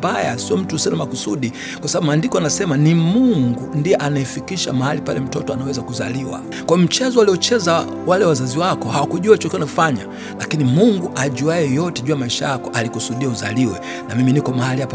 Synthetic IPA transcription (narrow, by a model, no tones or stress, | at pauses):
bajasiɔm̩tusɛɔnamakusuɗi | kwasabaɓumuandikɔanasɛmanimuŋɡundiɛʔanaifikiʃa̰mahalipa̰lɛm̩tɔtɔanawɛzakuzaliwa̰ | kwajɔm̩t͡ʃɛzɔaliɔt͡ʃɛza | walɛwazaziwakɔhawakuʄuat͡ʃɔkianafaɲa | lakinimuŋɡuʔaʄuajɛjɔtɛʄuamaiʃajakɔʔalikusuɗiauzaliwɛ | namiminikɔmahaliapɔ